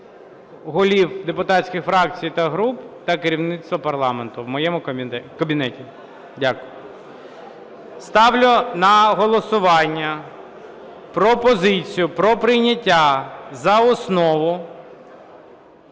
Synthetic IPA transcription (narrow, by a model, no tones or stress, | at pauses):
ɦɔlʲiwd̪epʊt̪ɑtsʲkʲɪxfɾɑkt͡sʲijt̪ɐɦɾupt̪ɐkeɾʲiwnɪt̪st̪ʋɔpɐrlˠɑment̪ʊʋmɔjɛmʊkɐbʲinɛtʲi | dʲakʊjʊ | st̪ɑwlʲʊnɐɦɔlˠɔsʊʋɑnʲːɐ | pɾɔpɔzɪt͡sʲijʊpɾɔpɾɪjnʲɐtʲːazɐɔsnɔʋʊ